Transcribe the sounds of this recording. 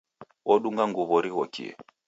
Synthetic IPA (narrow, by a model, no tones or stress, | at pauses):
ɔɗuŋɡaŋɡuβɔɾiɣɔkḭɛ̰